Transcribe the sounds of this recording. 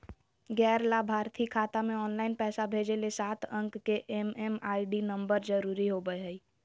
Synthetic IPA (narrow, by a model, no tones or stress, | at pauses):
ɡɛːɾlabʱaːɾt̪ʰikʰaːt̪amẽɔːnlaːɪnpɛːsabʱeːd͡ʒelesaːt̪ʰə̃ŋkkeʔememaːɪɖinə̃mbəɾd͡ʒəɾuːɾiɦoɡəeɦəi